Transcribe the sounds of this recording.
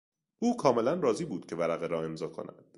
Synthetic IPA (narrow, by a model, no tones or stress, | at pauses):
ʔuːkʰɒːme̞lænrɒːziːbuːd̪̥cʰe̞væɾæɣeɾɒːe̞mzɒːkʰo̞̰nʔæ̰d̪̥